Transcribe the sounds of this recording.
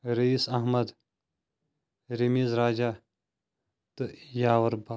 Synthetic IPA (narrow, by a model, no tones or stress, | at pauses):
ɾiisɐɦmɐd̪ | ɾimiːzɾaːd͡ʒaː | t̪ɨjaːwɐɾba